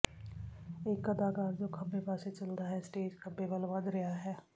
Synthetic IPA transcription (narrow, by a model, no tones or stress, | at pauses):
eːkːɐd̪aːkaːɾd͡ʒoːkʰɐbːepaːset͡ʃɐld̪aɦɛsʈeːd͡ʒkʰɐbebəlʋɐd̪ɾɐjaɦɛː